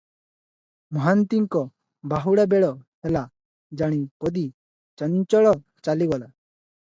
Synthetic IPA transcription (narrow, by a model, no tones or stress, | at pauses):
mɔɦant̪iŋkɔ | baɦuɽabɛɽɔhɛla | d͡ʒaɽ̃ipɔd̪i | t͡ʃəɲt͡ʃɔɽɔ | t͡ʃaliwala